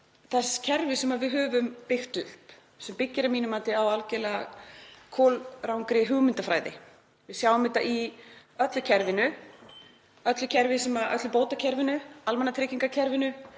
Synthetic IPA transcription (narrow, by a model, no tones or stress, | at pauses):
θɛscʰɛɾvɪsɛmaðvɪðɦœːvʏmpɪxt̪ʏhp | sɛmpɪcːɪɾamiːnʏmaːt̪ɪawalcɛlɛɣakʰoːlɾawŋkɾɪɦʏɣmɪnt̪afɾaːjðɪ̰ | vɪðsjaːwvʏmɪt̪aʔiœt̪lʏcʰɛɾvɪnʏ | œt̪lʏcʰɛɾvɪsɛmaðʔœ̰t̪lʏpoːwt̪acʰɛɾvɪnʏalmɛnat̪ʰɾɪːciŋkacʰɛɾvɪnʏ